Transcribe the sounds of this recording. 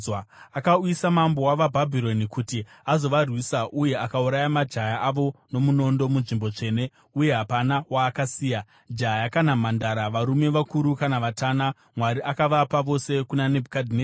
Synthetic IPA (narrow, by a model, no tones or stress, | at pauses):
akauisamambo̞waʋabʱabʱiɾo̞nikuti | azo̞ʋarwisaʔuje̞akauɾajamad͡ʒʱajaʔaʋo̞no̞muno̞ndo̞munʐimbo̞t͡ʂe̞ːne̞ | uje̞ɦapanawaːkasiːja | d͡ʒajakanamandaɾaʋaɾume̞ʋakuɾukanaʋataːna | mwaɾiʔakaʋapaʋo̞se̞kunane̞bʱukadʱine